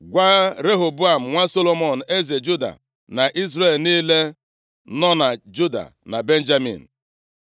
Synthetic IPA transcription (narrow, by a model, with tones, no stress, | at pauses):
ɡʷa˦ɾe˦ɦo˨bʊ˦a˨m̩˨ŋʷa˦so˦lo˦mo˦˨n̩˨e˦ze˨d͡ʒu˦da̰˨ | na˨ʔi˦zɾe˦˨lniː˦le˦ | nɔ˦na˨d͡ʒu˦da̰˨na˨be˦n̩˦d͡ʒa˦mḭ˨n̩˨